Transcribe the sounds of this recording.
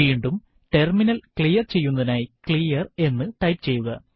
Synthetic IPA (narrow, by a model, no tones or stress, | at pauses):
iːɳɖum | ʈe̞rminɐlkɭijɐrt͡ɕe̞jːunːɐðinaːjikɭijɐre̞nːɨʈɐjpt͡ɕe̞jːuɣɐ